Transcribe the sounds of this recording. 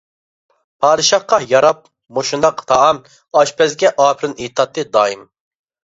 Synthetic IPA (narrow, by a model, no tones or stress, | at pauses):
pʰɑːd̪ɨʃɑχqɑjɑɾɑp̚ | moʃund̪ɑqt̪ʰɑɑm | ɑʃpʰɛzɡʲɛʔɑːpʰɪɾɨnet̪ʰɑt̪ːɨd̪ɑːim